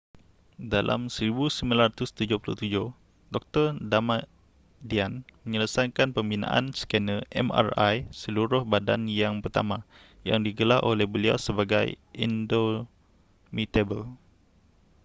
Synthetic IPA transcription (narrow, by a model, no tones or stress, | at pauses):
dalʔa̰msəɾibusəminlaɾat̪ʊst̪ud͡ʒʊpulṵht̪ud͡ʒʊh | dɔk̚t̪ərdama | dianmə̃ɲələsajkanpəmbinã̰ʔa̰nsə̥kɛnəʔɛ̰ma̰ra̰jsəluɾʊhbada̰njaŋpərt̪a̰mã | ja̰ŋdiɡəlarʔolɛhbəlia̰wsəbaɡaj | ḭndo | mit̪ebəl